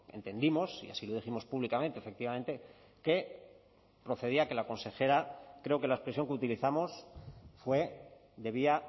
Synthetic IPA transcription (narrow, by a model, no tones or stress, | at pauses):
e̞̰nt̪e̞nd̪imo̞sḭa̰silo̞ð̞iximo̞spuβlikament̪efek̚t̪iβamẽ̞nt̪e̞ | ke̞ | pɾo̞θe̞ð̞iakelako̞nse̞xe̞ɾakɾe̞oke̞laespɾe̞sjo̞ŋkeut̪iliθamo̞sfwe̞ | d̪e̞β̞ia